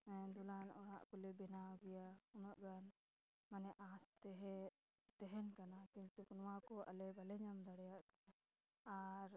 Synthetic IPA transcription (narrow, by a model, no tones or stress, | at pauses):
ɛd̪ulanɔɽ̃aʔkɔlɛbɛnaɡɛjaunɔʔɡan | manɛʔast̪ɛɦɛ | t̪ɛɦɛnkanakint̪ukunwakɔʔa̰lɛbalɛɲamd̪aɽɛjaʔkana | aɾ